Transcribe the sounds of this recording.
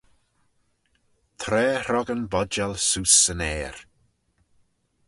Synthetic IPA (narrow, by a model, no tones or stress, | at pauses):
t̪ʰɾɛːɾɔɡənbɔd͡ʒalˠsuːsənɛːɾ